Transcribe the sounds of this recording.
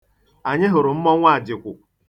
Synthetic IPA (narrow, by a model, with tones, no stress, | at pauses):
a˨ɲɪ˦ɦʊ˨ɾʊ˨m̩˦mɔ˦ŋʷa˦˨d͡ʒɪ˨kʷʊ˨